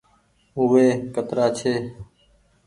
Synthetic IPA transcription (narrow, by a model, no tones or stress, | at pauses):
ɦʊʋeːkət̪ɾaːt͡ʃʰeː